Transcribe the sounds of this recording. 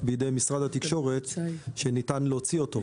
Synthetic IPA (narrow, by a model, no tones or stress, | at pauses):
bejede̞jmisʁad̪hat̪ikʃo̞ʁe̞t̪ʃenitanleot͡sio̞to̞